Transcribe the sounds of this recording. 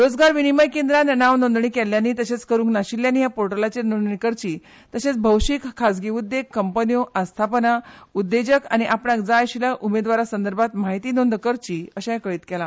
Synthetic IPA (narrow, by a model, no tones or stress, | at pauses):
ɾod͡zɡaɾʋiniməjkẽnd̪ɾananaʋnond̪ɳikɛljaniːt̪əɕet͡skəɾuːŋknaɕiljanːiːɦjapoɾʈəlat͡ɕenond̪ɳikəɾt͡ɕiː | t̪əɕet͡sbʱəwɕikkʰːad͡zɡiʋud̪ːekːəmpənioʔãst̪ʰapənaud̪ːed͡ʑəka̰ñiʔapɳjakd͡zaɕiljaʔumed̪ʋaɾasənd̪əɾbʱat̪maɦit̪iːnond̪əkəɾt͡ɕiːəɕajakəɭiːt̪kɛla